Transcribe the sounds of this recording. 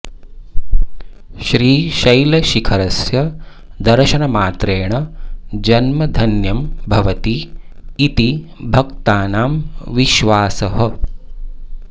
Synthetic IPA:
ʃɾiːʃɐjlɐʃikʰɐɾɐsjɐ | d̪ɐɾʃɐnɐmaːt̪ɾeːɳɐd͡ʒɐnmɐd̪ʱɐnjɐmbʱɐʋɐt̪iː | t̪i | bʱɐk̚t̪aːnaːmʋiʃʋaːsɐɦɐ

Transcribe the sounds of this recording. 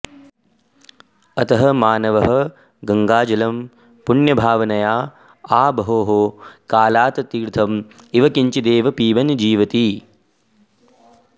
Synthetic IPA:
ɐt̪ɐɦɐmaːnɐʋɐɦɐ | ɡɐŋɡaːd͡ʒɐlɐm | puɳjɐbʱaːʋɐnɐjaː | aːbɐɦoːɦoːkaːlaːt̪ɐt̪iːɾt̪ʰɐmiʋɐkiɲt͡ʃid̪eːʋɐpiːʋɐnd͡ʒiːʋɐt̪i

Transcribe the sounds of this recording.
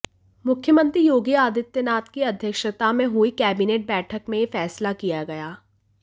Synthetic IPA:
mʊkʰːjəmə̃nt̪ɾijoːɡiaːd̪ɪt̪jənaːt̪kiɐd̪ʱjəkʃət̪amẽɦuikɛːbineːʈ̚bɛːʈʰəkmẽjefɛːslakijaɡɐjaː

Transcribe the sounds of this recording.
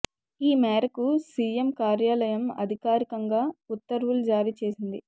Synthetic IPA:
iːmɛːɾɐkusiːemkaːɾjaːlɐjɐmɐ̰d̪ʱikaːɾikɐŋɡaːut̪ːɐɾʋulud͡ʒaːɾit͡ʃe̞ːsind̪i

